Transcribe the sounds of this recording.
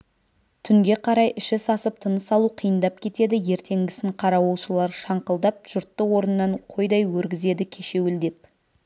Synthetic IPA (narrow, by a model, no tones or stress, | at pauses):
t̪ʰʏŋɡʲe̞qʰɑɾɑjʔɪʃɪsɑsəp̚t̪ʰənəsɑlˠuqʰijənd̪ɑp̚kʲʰe̞t̪e̞d̪ɪje̞ɾt̪ʰe̞ŋɡʲɪsɪɴqʰɑɾɑwolˠʃəlˠɑɾʃɑɴqəlˠd̪ɑp̚ʒ̥ʊɾt̪ːəwo̞ɾənnːɑɴqʰo̞jd̪ɑjwɵɾɡʲɪze̞d̪ɪkʲʰe̞ʃe̞wɪld̪e̞p̚